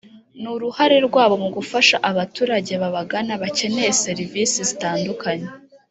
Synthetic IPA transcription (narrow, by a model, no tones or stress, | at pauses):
nuɾuhaɾe̞ɾɡwaːβo̞muɡufaʃaʔaβatuːɾaɟe̞βaβaɡanaβace̞ne̞jese̞ɾivisizitaːndukʰaɲe̞